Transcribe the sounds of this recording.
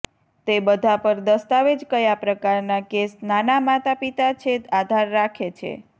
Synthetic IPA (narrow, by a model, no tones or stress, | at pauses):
t̪ebəd̪ʱapəɾd̪əst̪aʋed͡ʒkəjapɾəkaɾnakesnanamat̪apit̪at͡ʃʰet̪ad̪ʱaɾːakʰet͡ʃʰḛ